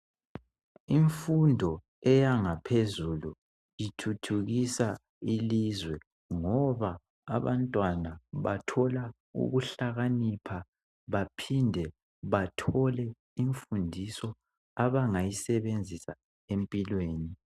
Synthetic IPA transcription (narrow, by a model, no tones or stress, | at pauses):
iɱfundʱɔ | ɛjaŋapʰezulu | jitʰutʰuɣisa | ilizwɛ | ŋɔβa̰ː | βantʼwanaβa̰tʰɔla | ṵɣuɬaɣanipʰa | βapʰindʱɛ | βatʰɔlɛ | iɱfundʱisɔ | aβaŋajisɛβend͡zʱisa | empʼilweːni